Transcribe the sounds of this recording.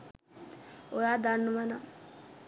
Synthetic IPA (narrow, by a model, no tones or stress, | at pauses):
ojaːd̪anːuʋana